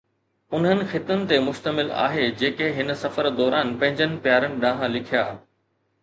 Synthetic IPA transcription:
ʊnɦənɪ̆xɪt̪ənɪ̆t̪emʊʃt̪əmɪla̰ːɦed͡ʑeːkeɦɪnə̆sɐfəɾd̪ɔːɾaːnpɐ̃ɦɪ̃ɲd͡ʑənɪ̆pjaːɾənɪ̆ɗãːɦãlɪkʰijaː

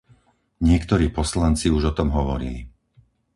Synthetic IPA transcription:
ɲɪɛkt̪ɔɾiːpɔslant͡siuʒɔt̪ɔmɦɔʋɔɾḭli

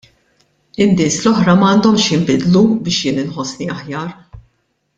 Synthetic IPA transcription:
ɪnːɪːslɔħɾɐmɐːnd̪ɔmʃjɪmbɪd̪lubɪːʃjɪːnɪnħɔsniɐħjɐːɾ

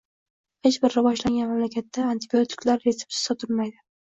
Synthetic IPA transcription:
het͡ʃbɪɾːɪvɒʃlaŋɡʲanmamlakʲʰat̪ːaːnt̪ʰɪbijot̪ʰɪ̥kʲlaɾesɪ̥p̚sɪ̥sɒt̪ʰɪlmajd̪ɪ

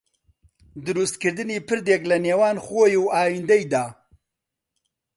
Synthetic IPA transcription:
d̪ɨɾust̪̚kɨɾd̪ɨniːpɨɾd̪eːklɐneːwɑːnxoːjuwɑːjind̪ɐjd̪aː

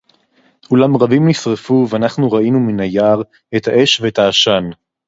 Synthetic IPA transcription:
ulamʁabimnisʁefuveanaχnuʁainuminajaʁ | ethaʔe̞ʃveetaːʃan

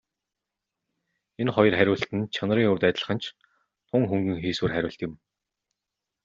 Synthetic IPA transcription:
enχɔjɞ̆rχæɾʲʊːɬt̪ɘ̆nt͡ɕʰanriːŋʊwt̪æːt̪ʲə̆ɮ̆χə̆nt͡ɕʰ | t̪ʰʊŋxɵŋɡɘ̆ŋxeːswɘːrχæɾʲʊːɬt̪ɪ̆m

